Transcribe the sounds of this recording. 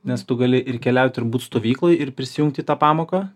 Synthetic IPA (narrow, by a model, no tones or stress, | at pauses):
nʲɛst̪ʊɡɐlʲɪʔɪɾkʲɛlʲɛʊt̪ʲɪɾbuːt̪st̪oːʋʲiːklˠoɪɪɾpʲɾʲɪsʲɪjʊŋkt̪ʲɪːt̪ɑːpɑːmoːkɑː